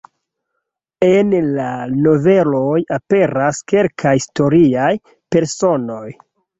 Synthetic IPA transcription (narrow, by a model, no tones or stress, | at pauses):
enlano̞ve̞lojape̞ɾaske̞lkʰaisto̞ɾiaj | pe̞ɾso̞no̞j